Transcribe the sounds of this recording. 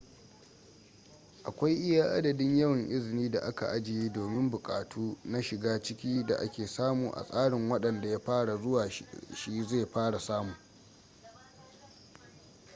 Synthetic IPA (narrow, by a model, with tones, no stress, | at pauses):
ʔa˨kʷa˦jʔɪ˦jaː˦ʔa̰˦dɐ˨dɪ˦ɲjɐ˦wɐ˨ŋʔɪ˦zɪ˨niː˦da̰˨ʔa˦ka̰˨ʔa˦d͡ʒɪ˨ji˦doː˨mɪ˦mbʊ˨kʼaː˨tʰuː˦na˦ʃɪ˨ɡaː˦t͡ʃɪ˦kʲiː˦da̰˨ʔa̰˦kʲeː˨saː˦muː˨ʔa̰˨sʼaː˦ɽɪ˨ŋwɐ˦ɗɐ˨nda˨ja˦ɸaː˦ɽa˨zʊ˦waː˨ʃi˦zeː˦˨ɸaː˦ɽa˨saː˦mu˨